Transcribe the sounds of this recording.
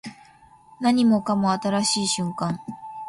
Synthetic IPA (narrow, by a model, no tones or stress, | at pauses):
naɲ̟imo̞kamo̞at̪aɾaɕiːɕɨ̃ŋkãŋ